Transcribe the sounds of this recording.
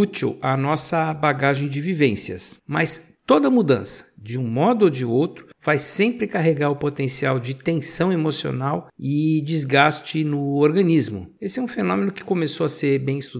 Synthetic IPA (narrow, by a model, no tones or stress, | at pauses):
ut͡ʃiwɐnɔsɐbaɡaʒẽj̃d͡ʒɪvivẽsiɐ̰smɐs | t̪od̪ɐmud̪ɐ̃sɐ̥d͡ʒɪũmɔd̪ʊod͡ʒɪowt̪ɾʊv̥ajsẽmpɾɪkaɦeɡaɾʊpot̪ẽsiawd͡ʒɪt̪ẽsɐ̃w̃emosio̰nawɪd͡ʒizɡast͡ʃɪnʊoɾɡɐ̃nizmʊ̰esɪɛũfenõmẽnʊkɪ̥komesoɐseɾbẽj̃ist̪u